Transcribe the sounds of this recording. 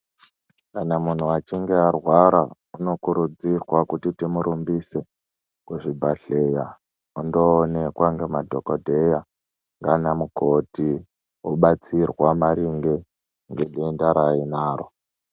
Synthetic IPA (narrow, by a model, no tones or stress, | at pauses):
kanamun̤uat͡ʃiŋɡearwaɾa | uno̞kuɾud͡zirwakutitimuɾumbise | kuʐibʱaɬe̞ja | undoːne̞kwaŋɡe̞madʱo̞kodʱe̞ja | ŋɡanamuko̞ti | woɓat͡sirwamaɾiŋɡe | ŋɡe̞ɗendaɾainaːɾo